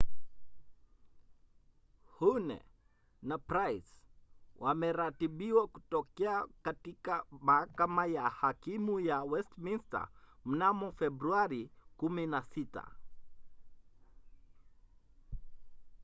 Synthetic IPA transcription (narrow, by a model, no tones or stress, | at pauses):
hunɛ̰ | napɾajswʔamɛɾatiɓiwaku̥tɔkɛakatikamahakamajahakimujawɛstminsta̰m̩namɔfɛbɾuaɾikuminasita̰